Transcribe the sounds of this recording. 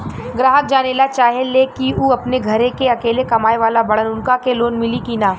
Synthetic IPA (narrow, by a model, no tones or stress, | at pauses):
ɡɾaːɦək̚d͡ʒaːneːlat͡ʃaːɦelekiuːɐpneɡʱɐɾekeɐkeːlekɐmaːeʋaːlabɐɽ̤ənʊnkakeloːnmɪlikiːnaː